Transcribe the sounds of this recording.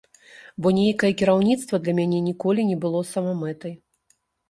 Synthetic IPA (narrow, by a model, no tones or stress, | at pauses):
bɔnʲejkɐjɛkʲiɾawnʲit̪st̪vɐd̪lʲɐmʲanʲɛnʲikɔlʲinʲɛbɨlˠɔsɐmɔmɛt̪ɐj